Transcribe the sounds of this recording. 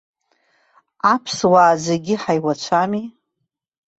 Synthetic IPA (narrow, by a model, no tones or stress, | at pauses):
apʰswaːd͡zʷaɡʲɪħajwat͡ʃʷʰami